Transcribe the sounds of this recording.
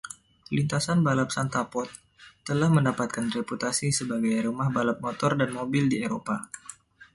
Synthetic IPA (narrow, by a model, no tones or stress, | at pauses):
lint̪asanbalap̚sant̪apɔt̪ː | əlahməndapat̪̚kanreput̪asisəbaɡajrumahbalap̚mot̪ɔrdanmobɪldieɾopa